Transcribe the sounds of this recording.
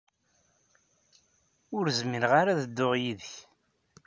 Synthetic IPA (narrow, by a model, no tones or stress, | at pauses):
ʊɾzmiɾʁaɾaðəd̪ːʊʁjiðəç